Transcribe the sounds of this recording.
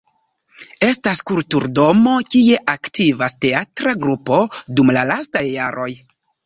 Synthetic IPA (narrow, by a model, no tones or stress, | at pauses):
e̞staskultuɾdo̞mo̞kie̞ʔaktivaste̞atɾaɡɾupo̞dumlalastajːaɾʔo̞j